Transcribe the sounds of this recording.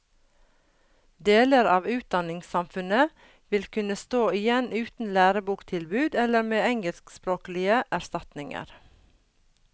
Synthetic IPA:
d̪eːləɾɑːʋʉːt̪̚d̪ɑnɪŋsɑmfʉnə | ʋɪlkʰʉnəst̪oːɪjɛnʉːt̪n̩læːɾəbuːkt̪ʰɪlbʉːd̪ɛləɾmeːɛŋəlskspɾoːklɪəʔæɾst̪ɑt̪nɪŋə̰ɾ

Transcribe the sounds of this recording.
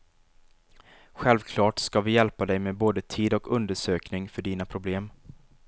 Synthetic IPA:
ɧɛlvkʰlɑːʈskavɪjɛlpad̪ɛjmeːboːd̪ət̪ʰiːd̪ɔkɵnd̪əʂøːknɪŋfœɖiːnapʰɾʊbleːm

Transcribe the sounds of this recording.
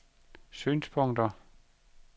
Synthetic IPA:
sy̰ːnspʰɔŋ̰d̥ɐ

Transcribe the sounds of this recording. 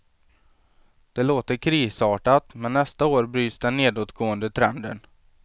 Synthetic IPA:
d̪̥ɛloːt̪əɾkʰɾiːsɑːʈat̪mɛnːɛst̪aoːɾbɾyːt̪sd̪ɛnːeːd̪oːt̪ɡoːənd̪ət̪ʰɾɛnd̪ə̰n

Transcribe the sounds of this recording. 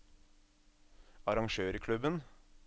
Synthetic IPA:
ɑɾɑŋʃøːɾkʰlʉbən

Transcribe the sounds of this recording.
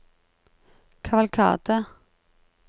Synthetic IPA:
kʰavalkʰɑ̰ːt̪ə

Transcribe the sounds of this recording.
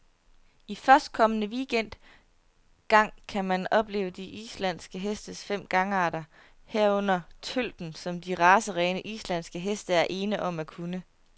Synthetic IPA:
ifɶɐsd̥̚kʰɒ̽mənəʋiɡ̥en̰d̥ | ɡ̥ɑ̈ŋ̰kʰæmænɒ̽b̥le̝̰ːʊəd̥iʔḭslæn̰sɡ̥əɦesd̥əsfem̰ɡ̥ɑ̈ŋəɑ̈ɾ̥ɐ | heɐ̰ɔ̽n̰ɐt͡sʰøl̰d̥n̩sɒ̽md̥iʁɑ̈ːsəʁɛːnəʔislæn̰sɡ̥əɦesd̥əæɐʔe̝ːnəʔɒ̽m̰ækʰunə

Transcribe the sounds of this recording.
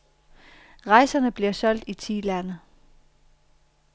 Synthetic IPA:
ʁɑ̈ɪsɐnəb̥liɐsɒ̽l̰d̥it͡sʰḭːlænə

